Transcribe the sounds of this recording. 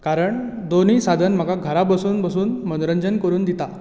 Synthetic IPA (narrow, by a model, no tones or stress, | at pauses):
kaɾəɳ | d̪oniːsad̪ʱənm̤əɡaɡʱəɾabəsuːnbəsuːnmənɾəɲd͡ʑənkəɾuːnd̪it̪a